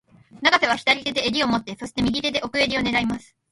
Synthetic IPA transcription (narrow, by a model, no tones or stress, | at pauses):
naɡase̞β̞açʲi̥t̪aɾʲit̪e̞d̪e̞ːɾʲio̞mo̞t̪ːe̞so̞ɕi̥t̪emʲiɡʲit̪e̞d̪e̞ʔo̞kɯ̟e̞ɾʲio̞ne̞ɾaimasɨ̥